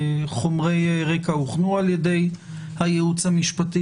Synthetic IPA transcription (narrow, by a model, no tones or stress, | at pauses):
χo̞mʁejʁekauχnualjede̞j | hajeut͡shamiʃpati